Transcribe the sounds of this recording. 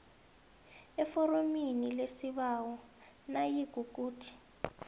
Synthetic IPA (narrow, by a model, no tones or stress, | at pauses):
ɛfɔɾominilesiβawɔ | najiɡ̥ʱuk̬ʼuːtʰi̥